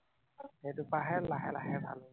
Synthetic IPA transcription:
hejtupaɦɛlaɦɛla̰ɦɛbʱa̰lʊ

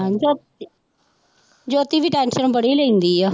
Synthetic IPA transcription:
d͡ʒoː | d͡ʒoːt̪iːʋiːʈɛːnʃənbəɽiːləĩːnd̪iːɛː

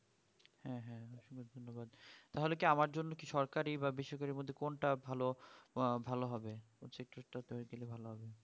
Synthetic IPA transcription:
hɛ̃ɦɛ̃ʃuɡoɾd̪ʱonːobad̪̚t̪aɦolekiamaɾd͡ʑonːokiʃɔɾkaɾibabiʃɔɾkaɾiɾmod̪ʱːekonʈabʱalo | bʱaloɦɔbe | ot͡ɕek̚ʈɾeʈat̪oɾiɡelebʱaloɦɔbe

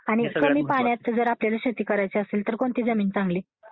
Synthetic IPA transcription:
aɽ̃ikəmiːpaɳ̃jat̪ːəd͡zəɾapljalaɕət̪iːkəɾajt͡seəselt̪əɾkoɳt̪iːd͡zəmiːnt͡sãŋɡle

